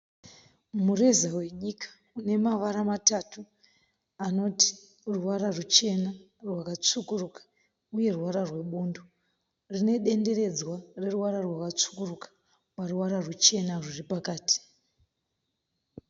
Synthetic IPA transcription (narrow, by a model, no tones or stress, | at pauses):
mure̞zawe̞ɲikḁ | une̞maʋaɾamatatu | ano̞ti̥ | ruwaɾarut͡ʃe̞na | rwakat͡sukurukḁ | uje̞ruwaɾarwe̞ɓuːndo | rine̞ɗe̞nde̞ɾe̞d͡zware̞ruwaɾarwakat͡su̥kurukḁ | paruwaɾarut͡ʃe̞nariripakaːti̥